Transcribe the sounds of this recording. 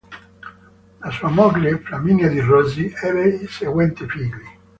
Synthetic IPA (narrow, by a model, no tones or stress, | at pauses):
lasuːamɔbileplaminjad̪irɔziɛɾeiseɡwɛnt̪ifiːɡli